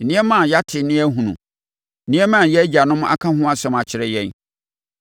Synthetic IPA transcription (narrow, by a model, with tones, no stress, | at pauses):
nɪ̃˦ɛ˦mã˦˨ja˦tʰɪ˨nɪ̃˦ɛ˦ɦũ˨nṵ̃˨ | nɪ̃˦ɛ˦mã˦˨jɛ˦d͡ʑa˨nʊ̃˦m̃˦ʔa̰˦kʰã˦ɦʊ̃˦a˦sɛ̃˦ma˨t͡ɕʰɪ˨ɾɛ˦jɛ̃˦n